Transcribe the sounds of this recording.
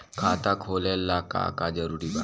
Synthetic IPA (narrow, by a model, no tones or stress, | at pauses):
kʰaːt̪akʰoːlelːaka̰kad͡ʒəɾuːɾiːba